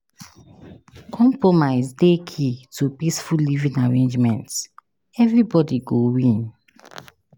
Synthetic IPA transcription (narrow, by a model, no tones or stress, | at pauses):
kʰɔ̃mpɹɔmaɪzdekʰitʰupisfulivĩŋaɹẽnd͡ʒmɛ̃nt | ɛvɹibɔdiɡowĩn